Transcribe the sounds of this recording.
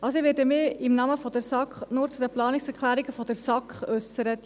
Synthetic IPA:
ʔɑlsoɪʋɛːɾdəmɪɪmnɑməfɔdəɾsɑkχnʊːɾt͡sud̥əplɑːnɪksɛɾkʰlæːɾiɡəfɔdəɾsɑkχœsəɾət

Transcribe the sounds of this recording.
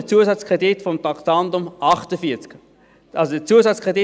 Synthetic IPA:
ət͡suəsɑt͡skʁɛditfɔmtɑktɑndʊmʔɑχtəfiːt͡sk | ɑlsodət͡suːəsɑt͡skʁɛdi

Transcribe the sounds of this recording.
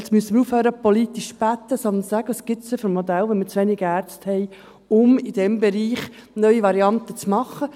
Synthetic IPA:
smyəsəmɪɾuːfhøːɾəpɔliːt̪iʃb̥æt̪ːəsɔnənsæɡ̥əəsɡ̥ɪtsəfyɾmːɔd̪ælʋɛnmit͡sʋɛniɡ̥əæːɾt͡sthɛɪ | ʊmid̥ɛmbɛɾiːχnœʏiʋɑɾiɑnt̪ət͡smɑχːə

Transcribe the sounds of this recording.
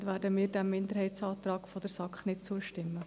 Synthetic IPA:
dvæːɾdəmiːɾdæmːɪnd̪əɾhɛɪtsɑːt̪ɾɑːkfɔd̥̪əɾsɑkχnɪtt͡suəʃtɪmːə

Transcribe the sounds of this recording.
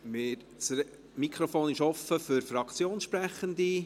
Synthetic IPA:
mɪːɾ | t͡s | mikʰɾofoːnɪʃɔfəfʏɾfɾɑkʰt͡sjoːnʃpɾæχənd̪i

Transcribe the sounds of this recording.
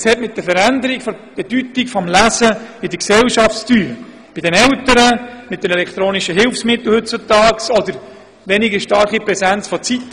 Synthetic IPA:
shɛtmɪt̚d̥̪əfəɾænd̪əɾikfɔb̥ɛdytikfɔmlæsəidəksɛlʃɑfstyːɾ | b̥ɪdɛnɛwtəɾəmɪt̚d̥ɛmɛlɛkʰt̪ɾoːnɪʃəɦɪlfsmɪt̪l̩ˠhɵt̚t͡sʊtɑːksɔd̪əɾ | ʋɛnɪɡəʃtɑɾχipɾɛsænt͡sfɔt͡sit

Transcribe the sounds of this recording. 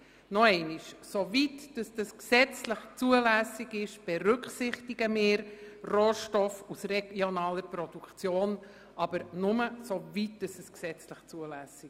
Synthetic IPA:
nɔɛɪniʃsovitd̥əsd̥əsksɛt͡sləχt͡suəlæːsɪɡɪʃb̥ɛɾʏkχsɪχtɪɡəmɪːɾroːʃtɔfusrɛɡjonɑːləɾpɾɔd̥ukχt͡sjoːn | ɑb̥əɾnʊməsovit̚d̥əsəsksɛt͡sləχt͡suəlæsi

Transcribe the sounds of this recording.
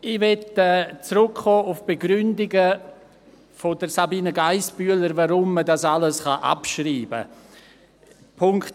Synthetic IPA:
ɪvɛtɛt͡srʊkχoːʔʊfb̥eɡɾʏndɪɡə | fodəɾsabiːnəɡaɪsb̥yələɾvaɾʊmːədasaləsχɑʔa̰pʃriːbə̰ | pʰʊŋkt

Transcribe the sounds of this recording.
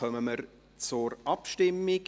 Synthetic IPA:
œməməɾ | t͡sʊɾʔɑpʃtɪmːɪ

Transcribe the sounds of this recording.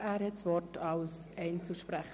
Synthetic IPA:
æːɾhɛtsʋɔrtʰɑlsɛɪnt͡suʃpɾæχ

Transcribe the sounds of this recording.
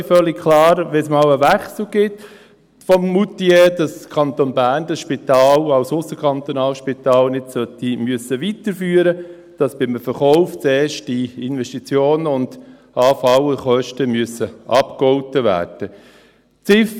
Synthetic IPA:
fœlːɪkkʰlɑːɾʋɛsmɑːwəʋæχsl̩ɡ̥ɪt | fɔmːutiedɑskʰɑnt̪onbæːɾndɑsʃpɪt̪ɑːlɑʊsʊsːəkʰɑnt̪onɑːlʃpɪt̪ɑːlnɪdsœt̪imyəsəʋitəɾfyːəɾə | d̥ɑsb̥ɪmfəɾχɔʊft͡sɛːʃtiɪnvɛstit͡sjoːnəʊnd̥ | ɑːfɑwəχœʃtəmyəsəʔɑpkɔʊtəʋæ̰ːrd̥ə | t͡sɪf

